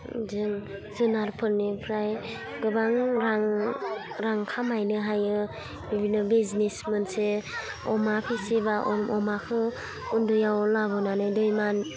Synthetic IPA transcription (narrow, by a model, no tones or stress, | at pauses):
zɯŋ | zɯnaɾpʰɯɾnipʰɾaj | ɡɯbaŋɾaŋ | ɾaŋkʰamajnɯɦajɯ | bibinɯbiznesmɯnse | ɔmapʰisebaʔɔmʔɔmakʰɯ | undujawlabɯnanɯdɔjman